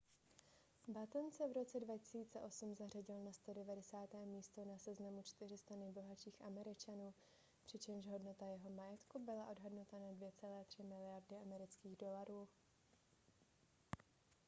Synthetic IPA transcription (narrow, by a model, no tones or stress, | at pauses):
bat̪nsɛvɾo̞t͡sɛdvacɪ̥siːt͡sɛʔo̞sumzar̝aɟɪlnast̪o̞dɛvadɛsaːt̪ɛːmiːst̪o̞nasɛznamut͡ʃt̪ɪr̝ɪst̪anɛjbo̞ɦat͡ʃiːxʔamɛɾɪt͡ʃanuː | pr̝̥ɪt͡ʃɛmʃɦo̞dno̞t̪ajɛɦo̞majɛt̪kubɪlaʔo̞dɦodnot̪anadvjɛt͡sɛlɛːt̪r̝̥ɪmɪlɪjaɾdɪʔamɛɾɪt͡skiːɣdo̞laɾuː